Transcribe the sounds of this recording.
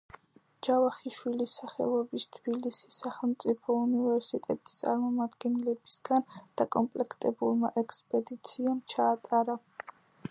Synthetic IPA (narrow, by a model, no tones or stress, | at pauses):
d͡ʒavaχiʃwilisːaχɛ̰lˠɔbist̪ʰb̥ilisi̥sːaχɛlˠmt̪sʼipʰɔunivɛɾsit̪ʼɛt̪ʼi̥st̪sʼa̰ɾmɔmad̪ɡɛnɛlɛbisɡand̪̥akʼɔmpʼlɛkʰt̪ʼɛbuɾma̰ʔɛkspʼɛd̪it̪sʰiamt͡ʃʰaːt̪ʼaɾa